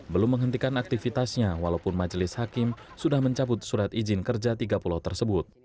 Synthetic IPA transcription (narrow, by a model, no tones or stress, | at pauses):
bəlʊmːəŋɦənt̪ikanak̚t̪ifit̪asɲawalaupʊnmad͡ʒəlɪshakɪm | sudahməɲt͡ʃabʊt̪̚suɾat̪izɪnkərd͡ʒat̪iɡapulot̪ərsəbʊt̪̚